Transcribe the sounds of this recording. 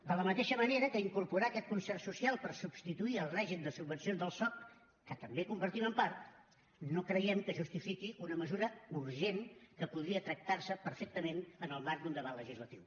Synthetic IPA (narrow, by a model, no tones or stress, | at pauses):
d̪ələmət̪eʃəməneɾəkəiŋkuɾpuɾaəkɛt̪̚kunsɛrsusialˠpərsubst̪it̪uiəlˠrɛʒimd̪əsubːənsionzðəlˠsɔk̚ | kət̪əmbekumbəɾt̪iməmpaɾt̪ | nokɾəjɛmkəʒust̪ifikiʔunəməzuɾəuɾʒenkəpuð̞ɾiət̪ɾək̚t̪arsəpəɾfek̚t̪əmenənəlˠmaɾk̚d̪und̪əβat̪ləʒizlət̪iw